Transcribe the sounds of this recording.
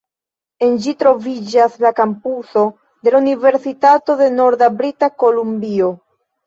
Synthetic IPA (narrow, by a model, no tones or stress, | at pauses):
e̞nd͡ʒitɾo̞vid͡ʒaslakampuso̞ | d̪e̞launive̞ɾsitato̞de̞no̞ɾdabɾitako̞lumbio